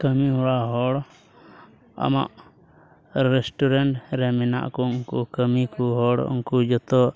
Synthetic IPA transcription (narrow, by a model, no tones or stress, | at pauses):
kəmiɦɔɽaɦɔɽ | a̰ma̰ʔ | ɾɛsʈɔɾɛɳʈɾɛmɛna̰ʔkɔuŋkukəmikuɦɔɽṵŋkud͡ʒɔt̪ɔ